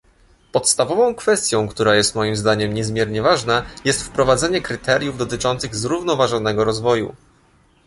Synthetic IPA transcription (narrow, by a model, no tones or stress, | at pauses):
pɔt̪st̪avɔvɔ̃w̃kfɛst̪ʲjɔ̃w̃kt̪uɾajɛst̪mɔjimzd̪aɲɛmɲɛzmʲjɛɾɲɛvaʐnajɛst̪fpɾɔvad̪zɛɲɛkɾɘt̪ɛɾjuvd̪ɔt̪̬ɘt͡ʂɔnt̪sɘɣzɾuvnɔvaʐɔnɛɡɔɾɔzvɔjṵ